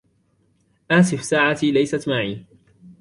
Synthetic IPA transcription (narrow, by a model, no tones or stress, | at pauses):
ʔaːsɪfsaːʕat̪iːlajsat̪maʕiː